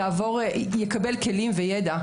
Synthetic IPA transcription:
aːvo̞ʁjekabelke̞limvejed̪a

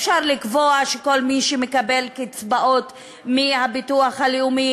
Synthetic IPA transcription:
fʃaʁlikvo̞aʃeko̞lmiʃemekabe̞lkit͡sbaʔo̞t | mihabituaχhaliumi

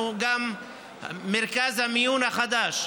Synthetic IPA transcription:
ɡamː | eɾkazhamijunhaχad̪aʃ

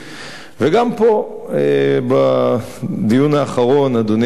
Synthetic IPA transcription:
veɡampo̞ | eba | d̪ijunaːχaʁo̞nad̪on

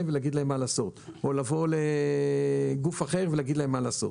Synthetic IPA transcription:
emveleaɡid̪laemːalaːso̞tolavo̞le | ɡufaχe̞ʁvelaɡid̪laemːalaːso̞̰t

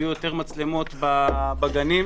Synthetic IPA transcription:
jujo̞t̪e̞ʁmat͡slemo̞t̪babaɡani

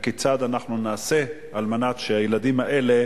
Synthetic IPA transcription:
kit͡sad̪anaχnunaːse̞ | almanat̪ʃeajelad̪imhaʔe̞le̞

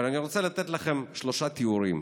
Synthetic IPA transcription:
laniʁot͡selat̪et̪laχe̞mʃlo̞ʃat̪iuɾim

